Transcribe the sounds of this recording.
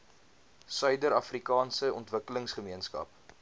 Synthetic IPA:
sœɥdəɾɐfrikɑːnsəɔntvəkələŋsχəmiənskɐ̰p

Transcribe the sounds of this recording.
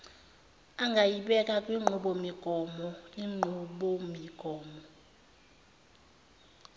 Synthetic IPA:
aŋɡʱajiɓɛkʼakʼwiŋ͡ǃʱuɓɔmiɡ̥ʱɔmɔiŋ͡ǃʱuɓɔmiɡ̥ʱɔːmɔ

